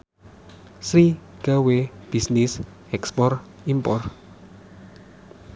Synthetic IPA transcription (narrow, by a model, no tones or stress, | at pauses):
sɾiɡ̥aweb̥isnis | ɛkspɔr | impɔr